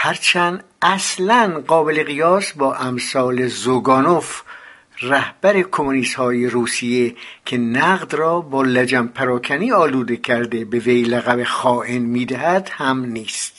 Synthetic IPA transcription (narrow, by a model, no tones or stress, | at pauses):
hæɾt͡ʃʰænd̪ | æslænɢɒːbe̞le̞ɣijɒːsbɒːʔæmsɒːlezoɡɒːnof | ræhb̥æɾe̞kʰomoniːst̪hɒːjeɾuːsijekʰe̞næɣd̪rɒːbɒːlæd͡ʒæmpʰæɾɒːkʰæniːɒːluːd̪e̞kʰæɾd̪e̞be̞vejlæɣævexɒːʔenmiːd̪æhæd̪̥hæmniːst̪